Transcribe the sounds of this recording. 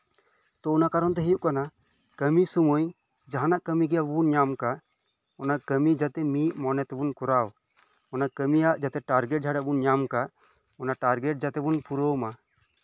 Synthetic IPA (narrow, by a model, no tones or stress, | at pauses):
t̪ɔunakaɾɔnt̪̬ɛɦɛjuʔkana | kəmisumuj | d͡ʒaɦanaʔkəmiɡɛjabunɲamka | ɔnaʔkəmid͡ʒat̪ɛmiʔmɔnɛt̪ɛbunkuɾaw | ɔnakəmijaʔd͡ʒat̪ɛʈaɾɡɛʈ̚d͡ʒʱaɽaʔbunɲamka | ɔnaʈaɾɡɛʈ̚d͡ʒat̪ɛbunpuɾoma